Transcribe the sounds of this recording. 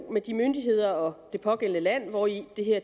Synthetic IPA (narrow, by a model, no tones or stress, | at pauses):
med̥imønd̥iɦe̝ð̞̰ˠɐɒ̽d̥e̝pʰɒ̽ɡ̥el̰nəlæn̰ʋɒid̥e̝ɦeɐ̰